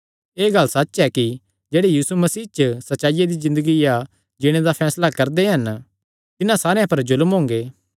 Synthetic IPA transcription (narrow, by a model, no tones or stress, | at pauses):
eːɡɐlsɐtːɛki | d͡ʒeːɽejiːsumɐsiːt͡ʃsɐtːʃaːɪjad̪izɪ̃nd̪əɡija | d͡ʒɪɽ̃ed̪apʰɛːslakɐɾd̪eɦɐn | t̪ɪnãsaːɾejãpɐɾzʊlmɦõːŋɡeː